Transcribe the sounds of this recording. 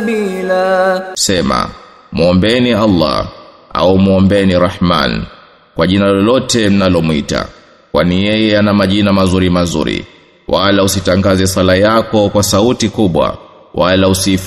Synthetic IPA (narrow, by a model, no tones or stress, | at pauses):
ilasɛma̰ | muɔmbɛnialːa̰ | a̰umuɔmbɛniɾaħma̰n | kwaʄinalɔlɔtɛm̩nalɔmwita̰ | kwanijɛjɛanamaʄinamazuɾimazṵɾḭ | walausitaŋɡazɛsalajakɔkwasautikuɓwa̰ | walausif